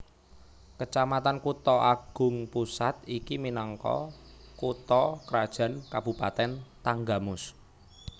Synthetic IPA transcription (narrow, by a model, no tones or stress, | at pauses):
kət͡ʃamat̪ankut̪ɔʔaɡ̥ʊ̤ŋpusat̪ikiminɔŋkɔ̰kut̪ɔkəɾad̥ʒ̥ä̤nkab̥ṳpat̪ɛnt̪aŋɡamʊs